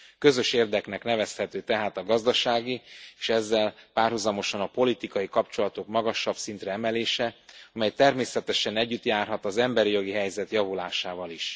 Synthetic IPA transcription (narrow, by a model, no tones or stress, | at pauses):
kø̞zø̞ʃeːrd̪ɛknɛknɛvɛshɛt̪øːt̪ɛɦaːt̪ɒɡɒzd̪ɒʃaːɡieːʃɛzːɛlpaːrɦuzɒmo̞ʃɒnɒpo̞lit̪ikɒjikɒpt͡ʃo̞lɒt̪o̞kmɒɡɒʃːɒb̥sint̪rɛɛmɛleːʃɛɒmɛjt̪ɛrmeːsɛt̪ɛʃɛnɛɟːyt̪jaːrɦɒt̪ɒzɛmbɛɾijo̞ɡiɦɛjzɛt̪jɒvulaːʃaːvɒliʃ